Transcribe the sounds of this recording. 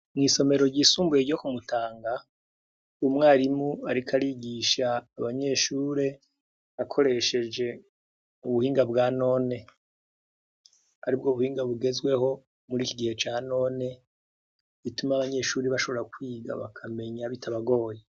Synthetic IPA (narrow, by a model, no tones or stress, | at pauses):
mŋiːso̞me̞ɾo̞ɟiːsuːmbujeɟo̞kumutaːŋɡa | umŋaːɾimuaɾikʰaɾiɟiːʃaːβaɲe̞ʃuːɾe̞ | βakʰo̞ɾe̞ʃe̞d͡ʒe̞ | uβuhiːŋɡabɡaːno̞ːne̞ | aɾib̚ɡoβuhiːŋɡaβuɡe̞zwe̞ho̞ | muɾiːkiɡihe̞t͡ʃaːno̞ne̞ | βitumaβaɲe̞ːʃuːɾeβaʃo̞βo̞ɾakwiːɡa̰βa̰kʰame̞ɲaβitʰaβaɡo̞ːje